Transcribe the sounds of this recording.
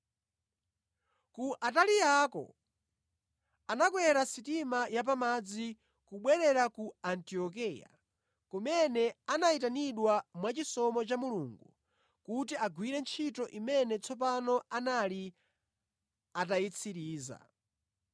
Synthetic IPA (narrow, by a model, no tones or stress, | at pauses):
kuʔatalijakɔ̰ | anak̬wɛɾasitimajap̬amad͡zi | kuɓwɛɾɛɾakuantiɔk̬ija̰ | kumɛnɛanaitaniɗwamwat͡ʃisɔmɔt͡ʃamuluːŋɡu | kut̬iaɡwiɾɛnt͡ʃʰitɔʔimɛnɛt͡sʰɔp̬anɔanali | atajit͡sʰiɾiːza̰